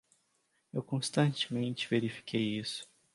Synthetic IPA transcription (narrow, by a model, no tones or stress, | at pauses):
ewkõst̪ɐ̃t͡ʃɪ̥mẽnt͡ʃɪveɾifi̥kʰejisʊ̥